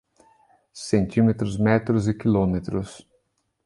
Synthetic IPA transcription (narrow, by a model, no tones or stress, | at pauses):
sẽnt̪imet̪ɾʊzmɛt̪ɾʊzikilomet̪ɾʊs